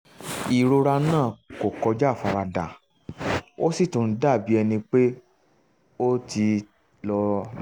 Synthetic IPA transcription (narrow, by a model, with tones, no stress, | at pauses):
i˨ɾo˧ɾa˧nãː˦˨ko˨kɔ˧d͡ʒa˦˨fa˧ɾa˧da̰˨ | o˦si˦˨tũ˨n̩˦da˦˨bi˨˦ɛ˧nĩ˧k͡pe˦ | o˦ti˧ | lɔ˧